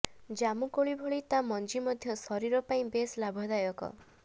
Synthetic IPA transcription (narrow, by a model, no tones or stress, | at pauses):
d͡ʒamukoɭibʱoɭit̪amɔnd͡ʒimɔd̪ʱjɔsɔɾiɾɔpaĩbeslabʱɔd̪ajɔkɔ̰